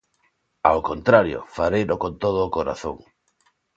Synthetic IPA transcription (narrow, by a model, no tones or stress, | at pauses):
a̰wkont̪ɾaɾjo̰faɾejɾokont̪oð̞ʊːkoɾa̰θo̰ŋ